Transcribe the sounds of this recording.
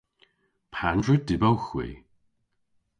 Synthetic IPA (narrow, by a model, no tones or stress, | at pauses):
pʰandɹədɪbawxwḭː